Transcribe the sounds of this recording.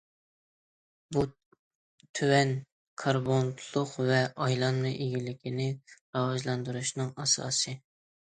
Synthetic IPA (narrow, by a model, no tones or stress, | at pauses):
bu | t̪ʰywɛn | kʰɑɾbont̪ʰlˠʊqvɛʔɑjlˠɑnːɨʔeɡʲilɪkʲʰinɪɾɑwɑʒlˠɑnd̪uɾuʃnɨŋɑsɑ̰ːsɨ